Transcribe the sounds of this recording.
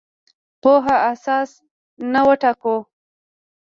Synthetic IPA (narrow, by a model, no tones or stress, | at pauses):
poɦaasɑs | nawəʈako